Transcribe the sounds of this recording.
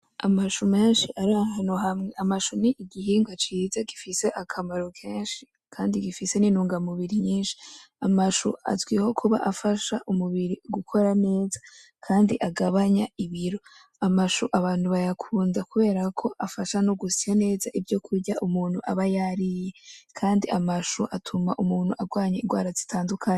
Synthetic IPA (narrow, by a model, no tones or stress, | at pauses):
a̰maʃume̞ːnʃiʔaɾaɦanoɦamŋe̞amaʃoniːɡiɦiːŋɡwat͡ʃiːzaɡifise̞ʔakʰamaɾokʰe̞ːnʃi̥ | kʰaːndiɡifise̞ninuːŋɡamuβiɾiɲiːnʃi̥ | amaʃṵa̰zɡwiho̞kʰuβa̰ʔafaʃaʔumuβiɾiɡukʰo̞ɾane̞ːza | kʰaːndiʔaɡaβaɲaiβiɾo̞ | amaʃoʔaβaːn̥huβajakʰuːndakuβe̞ːɾakʰo̞ʔafaʃanoɡusijane̞ːzaʔivjo̞kʰuɾɟaʔumuːn̥huʔaβajaɾije̞kʰaːndiʔamaʃoʔatʰumaʔumuːn̥huʔaɡwaːɲeiɡwa̰ːɾazitʰaːndukʰaɲe